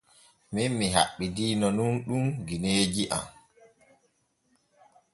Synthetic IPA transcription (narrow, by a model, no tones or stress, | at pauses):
minmiɦa̰ɓːidiːnɔnunɗumɡineːd͡ʒiʔa̰m